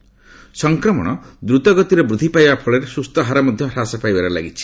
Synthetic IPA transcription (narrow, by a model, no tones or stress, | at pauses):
sɔŋkɾɔmɔ̰ɽ̃ɔd̪ɾut̪ɔɡɔt̪iɾɔbɾud̪ʱipajbapʰɔɭeɾesust̪ɔɦaɾamɔd̪ʱjʌɾasapajbaɾɔla̰ɡit͡ʃʰi̥